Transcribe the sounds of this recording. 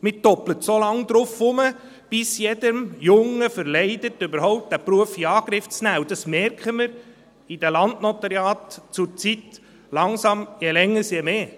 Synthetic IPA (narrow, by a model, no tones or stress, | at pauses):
mɪtɔplətsolɑŋd̥̪ɾʊfʊmə | b̥ɪsjɛd̥əmjʊŋːəfəɾlɛɪdətːøbəɾhɔʊp̚t̚d̥æpɾuəfiɑːɡ̥ɾɪft͡snæːudɑsmɛɾkχəmɪɾ | id̥ɛlɑndnɔt̪əɾjɑːtt͡sʊɾt͡sit | lɑŋsɑmjɛlɛŋːəsjɛmeː